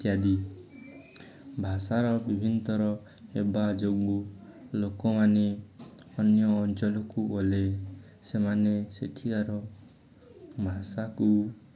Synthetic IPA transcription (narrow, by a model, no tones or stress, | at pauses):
jad̪i | bʱasaɾɔbibʱint̪ɔɾɔ | ebad͡ʒoɡ̚bulokɔmane | ɔnjɔːnt͡ʃɔlɔkubɔle | semanesḛʈʰikaɾɔ | bʱasaku